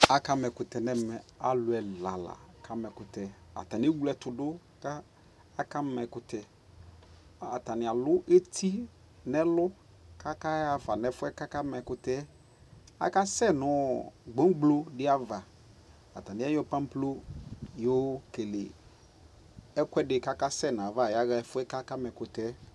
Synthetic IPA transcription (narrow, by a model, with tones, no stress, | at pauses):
a˨ka˦mɛ˨kʊ˨tɛ˨nɛ˦mɛ˨a˨lʊ˨ɛ˨la˨la̰˨kʰa˦mɛ˨kʊ˨tɛ˨a̰˨ta˨n˦e˦wu˦lɛ˨tʊ˨dʊ˦ | ka˦ | a˦ka˦m˦mɛ˨kʊ˨tʰɛ˨ | a˨ta˨nɪ˨a˨lʊ˦ʔe˦tʰi˦ | nɛ˦lʊ˦ | ka˦ka˦a˨fa˨nɛ˨fʊ˦ɛ˦ka˦ka˦mɛ˨kʊ˨tɛ˦ | a̰˨ka˦sɛ˦nʊ˦ɡ͡bo˦ŋ˦ɡ͡blo˦dɪ˦a˦va˨ | a˨ta˨nɪ̃˦ɛ˦jɔ˦pã˦m˦plo˦jɔ˦ke˨lɪ̰˨ | ɛ˦kɛ˦dɪ˨ka˦ka˦sɛ˦˨n˨a˨va˦˨ja˦ɣfʊ˦ɛ˦ka˦ka˦mɛ˨kʊ˨tɛ˦